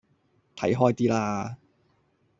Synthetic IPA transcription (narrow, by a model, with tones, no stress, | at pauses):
t̪ʰɐ̰˨˥jɦɔː˥jt̪iː˥laː˧